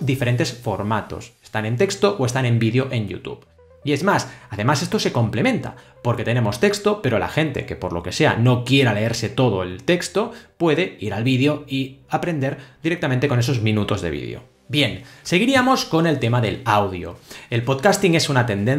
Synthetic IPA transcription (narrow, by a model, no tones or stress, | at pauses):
d̪ife̞ɾe̞nt̪e̞sfo̞ɾmat̪o̞̰sest̪ane̞nt̪e̞kst̪oʔoe̞st̪ane̞mbiðeo̞ʔe̞njṵt̪ṵβ | iezmasaðe̞mase̞st̪o̞se̞ko̞mple̞mẽ̞nt̪a̰ | po̞ɾke̞t̪e̞ne̞mo̞st̪e̞kst̪ope̞ɾo̞la̰xe̞nt̪e̞̰ke̞po̞ɾlo̞̰ke̞se̞a̰no̞kje̞ɾale̞eɾse̞t̪o̞ð̞o̞elt̪e̞kst̪o̞pwe̞ðe̞iɾalβiðeo̞iapɾe̞nd̪e̞ɾd̪iɾek̚t̪amẽnt̪e̞kone̞so̞zmĩnut̪o̞zðeβ̞ḭðḛo̞̰ | bje̞nse̞ɣ̞iɾiamo̞sko̞ne̞lt̪e̞maðe̞lawðjo̰e̞lpot̪kast̪iŋe̞sunat̪e̞nd̪en